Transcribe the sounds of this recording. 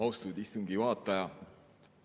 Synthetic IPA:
ɑwst̪ud̪ist̪uŋɡ̥ivɑːt̪ːˑɑjɑ

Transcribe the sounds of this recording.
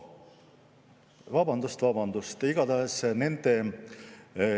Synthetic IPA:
vɑbɑnd̪ust̪vɑbɑnd̪̥ust̪iɡ̥ɑt̪ɑɦesne̞nd̪̥e̞

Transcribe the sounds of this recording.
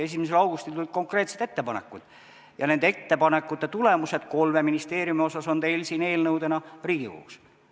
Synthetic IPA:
e̞s̬imes̬elɑwɡust̪ilt̪ulʲd̪̥̚ko̞ŋkre̞ːt̪se̞t̪e̞t̪ːepɑnḛkːˑṵd̪̥ | jɑne̞nd̪eet̪ːe̞pɑne̞kːˑut̪ːe̞t̪ule̞muse̞d̪̥ko̞lme̞minist̪e̞ːɾjumio̞sɑso̞nt̪e̞jlsiːne̞ːlnɤwd̪e̞nɑriːɡ̥iko̰ːks

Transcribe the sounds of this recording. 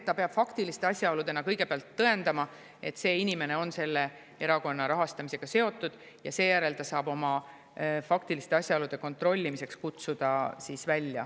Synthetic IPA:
t̪t̪ːɑpe̞ɑb̥fɑkt̪ilist̪e̞ɑsʲjɑolud̪̥e̞nɑkɤjɡ̥e̞peɑlt̪ːɤ̞e̞nd̪̥ɑmɑ | e̞t̪ːˑse̞ːinʲime̞ne̞o̞nse̞lːe̞ | e̞ɾɑko̞nːɑɾɑɦɑst̪ɑmise̞ɡ̥ɑse̞o̞t̪ːˑud̪̥ | jɑ̰se̞ːjæɾe̞lt̪ɑsɑːbo̞mɑ | fɑkt̪ilist̪eɑsʲjɑolud̪̥e̞ko̞nt̪ˑro̞lʲːimise̞kskut̪sud̪̥ɑsiːsvælʲːjɑ̰

